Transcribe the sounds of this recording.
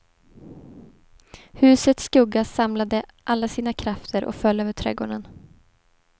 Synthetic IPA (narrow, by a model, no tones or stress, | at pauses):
hʉ̟ːsət̪skɵɡːasamlad̪əʔalːasiːnakʰɾaft̪ʰəɾʔɔ̰kfœlːøːvəʈʰɾɛ̰ːɡo̰ːɳən